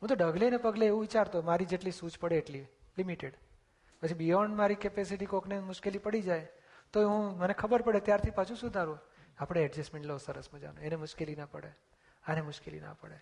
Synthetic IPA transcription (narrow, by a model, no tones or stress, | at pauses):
ɦũt̪̬oɖəɡlenepəɡleːʋũʋit͡ʃaɾt̪omaɾid͡ʒeʈlisud͡ʒpəɽeːʈli | limiʈeɽ | pət͡ʃʰibijɔɳɖmaɾikepesiʈikoknemʊʃkelipəɽid͡ʒaj | t̪oɦũmənekʰəbəɾpəɽet̪jaɾt̪ʰipat͡ʃʰũsud̪ʱaɾũ | apɽ̃eɛɖd͡ʒɛsmẽɳʈlosəɾəsmãd͡ʒa̰noenemʊʃkelinapə̰ɽe | anemʊʃkelḭna̰pə̰ɽe